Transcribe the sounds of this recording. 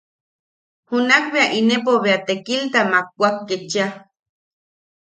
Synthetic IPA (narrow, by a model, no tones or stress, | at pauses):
hunakbeaʔinep̬oβeat̪ekilt̪amak̚ːʷakːet͡ʃa